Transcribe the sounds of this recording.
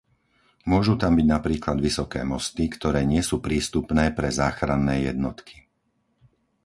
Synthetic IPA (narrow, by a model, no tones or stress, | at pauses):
mʊɔʒut̪ambiɟnapɾiːklad̪ʋisɔkɛ̰ːmɔst̪ikt̪ɔɾɛːɲɪɛsuːpɾiːst̪upnɛːpɾɛzaːxɾanːɛːjɛ̰d̪nɔt̪kʰi̥